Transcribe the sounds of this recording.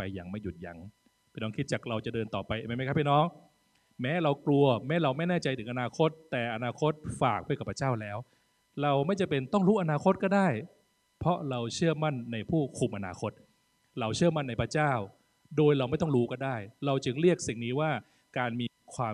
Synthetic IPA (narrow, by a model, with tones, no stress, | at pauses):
pa˧jːa˨˩ŋma˥˩ju˨˩t̪̚ja̰˧˩ŋ | pʰiː˥˩nɔː˦˥ŋkʰi˦˥t̪̚t͡ɕaː˨˩k̚ɾa˧wt͡ɕa˨˩dɤː˧nt̪ɔː˨˩pa˧jʔa˧˩ma˦˩m˦˥kʰa˦˥pʰiː˥˩nɔː˦˥ŋ | mɛː˦˥ɾa˧wklu˧ɐmɛː˦˥ɾa˧wma˥˩jnɛː˥˩t͡ɕa˧jt̪ʰɯː˨˩˦ŋʔa˧naː˧kʰo˦˥t̪ːɛː˨˩ʔa˧naː˧kʰo˦˥t̪̚faː˨˩k̚dka˨˩pʰːa˧˥t͡ɕaː˥˩wlɛː˦˥w | ɾa˧wma˥˩jt͡ɕa˨˩pe˧nt̪ɔ˥˩ŋɾuː˦˥ʔa˧naː˧kʰo˦˥t̪̚kɔː˥˩daː˥˩j | pʰɔ˦˥ɾa˧wt͡ɕʰɯ˥˩ɐma˥˩nːa˧jpʰuː˥˩kʰu˨˩mʔa˧naː˧kʰo˦˥t̪̚ | ɾa˧wt͡ɕʰɯ˥˩ɐma˥˩nːa˧jpʰɾa˧t͡ɕaː˥˩w | doː˧jɾa˧wma˥˩jt̪ɔ˥˩ŋɾuː˦˥kɔː˥˩daː˥˩jɾa˧wt͡ɕɯ˧ŋɾi˥˩ək̚si˨˩ŋniː˦˥waː˥˩ | kaː˧nmiː˧kʰwaː˧